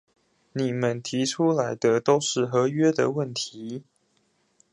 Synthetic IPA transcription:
ni˨˩mə˦nt̪ʰi˨˧˥ʈ͡ʂʰu˥la˧˥ɪd̪ə˧t̪o˥ʊʂɻ̩˥˩xɤ˧˥ɥɛ˥d̪ə̰˨wə˥˩nt̪ʰii˧˦

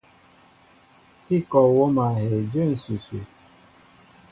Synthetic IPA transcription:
si˦kɔ˨wo˦ma˨ɦe˨d͡ʒe˦n̩˨su˨su˨

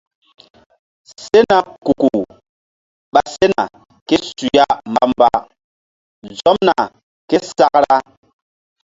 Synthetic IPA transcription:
se˦na˨ku˨ku˨ | ɓa˨se˦na̰˨ | ke˦su˨ja˦mba˦mba˦ | zɔ˦mna˨ | ke˦sa˦kɾa˦

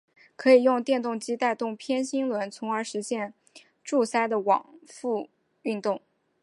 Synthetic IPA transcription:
kʰɤ˧˥i˨˩jʊ˥˧ŋt̪jɛ˥˧nt̪ʊ˥˩ŋt͡ɕi˥t̪a˥˧ɪt̪ʊ˥˩ŋpʰjɛ˥nɕi˥ŋlwə˧˥nt͡sʰʊ˧˥ŋə˞˧˥ʂɻ̩˧˥ɕjɛ˥˧n | ʈ͡ʂu˥˩sa˥ɪd̪ə˨wɑ̰˨˩ŋfu˥˧ | y˥˧nt̪ʊ˥˩ŋ

